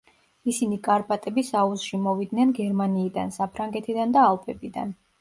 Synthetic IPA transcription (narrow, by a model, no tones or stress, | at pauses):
isinikʼaɾpʼat̪ʼɛbisauzʃimɔvid̪nɛnɡɛɾmaniːd̪a̰nsapʰɾaŋɡɛt̪ʰid̪and̪aːlˠpʰʼɛbid̪a̰n